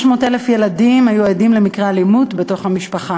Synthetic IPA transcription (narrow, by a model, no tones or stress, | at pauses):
ʃmo̞telefje̞ladimhajuadimle̞mikʁealimutbe̞to̞χhamiʃpaχa